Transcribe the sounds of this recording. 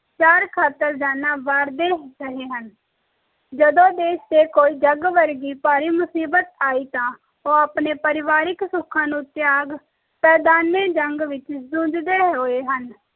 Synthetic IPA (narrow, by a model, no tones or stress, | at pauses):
t͡ʃaːɾkʰaːt̪ːəɾd͡ʒaːnãːʋaːɾd̪eːɾəɦeːɦən | d͡ʒəd̪õːd̪eːʃd̪eːkoːiːd͡ʒəɡʋəɾɡiːpaːɾiːmʊsiːbət̪aːiːt̪ãː | oːaːpneːpəɾɪʋaːɾɪksʊkʰːãːnũːt̪jaːɡ | pɛːd̪aːnẽːd͡ʒəŋɡʋɪt͡ʃsʊ̃d͡ʒd̪eːɦoːeːɦən